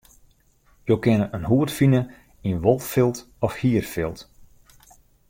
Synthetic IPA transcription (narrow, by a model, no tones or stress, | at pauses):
joːkɪnəʔənɦuətfinə | inʋɔlˠfɪlˠt | ɔfhiərfɪlˠt